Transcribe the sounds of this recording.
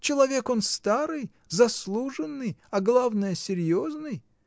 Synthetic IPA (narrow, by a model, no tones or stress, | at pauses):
t͡ɕɪlˠɐvʲe̞ko̞nst̪aɾɨj | zɐslˠuʐɨnːɨjɐɡlˠavnəjəsʲɪɾʲjoznɨj